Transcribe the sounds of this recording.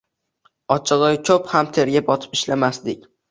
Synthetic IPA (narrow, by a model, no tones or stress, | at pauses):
ɒt͡ʃʰɨʁɑjkʲʰɵphamt̪ʰeɾɡʲabɒt̪ʰɪ̥pɪʃlamasd̪ɪkʲ